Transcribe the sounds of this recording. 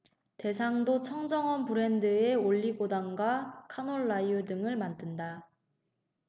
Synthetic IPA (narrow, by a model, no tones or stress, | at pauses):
te̞sʰaŋdot͡ɕʰʌŋd͡ʑʌŋʌnpuɾe̞ndɯe̞oʎːiɡodaŋɡwakʰanoɭːaiudɯŋɯɭmandɯnda